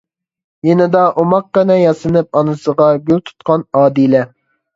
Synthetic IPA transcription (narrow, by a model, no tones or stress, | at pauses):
jenɪd̪ɑʔomɑq̚ːənɛjɑsɨnɨp̚ɑnɨsəʁɑɡʲylt̪ʰu̥t̪̚qɑnɑːd̪ilɛ